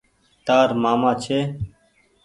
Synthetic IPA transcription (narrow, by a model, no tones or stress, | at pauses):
t̪aːɾmaːmãːt͡ʃʰeː